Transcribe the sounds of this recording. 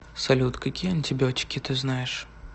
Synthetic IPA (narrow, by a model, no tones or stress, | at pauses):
sɐlʲut̪kɐkʲijəɐnʲtʲɪbʲɪotʲɪ̥kʲɪt̪ɨznajɪʂ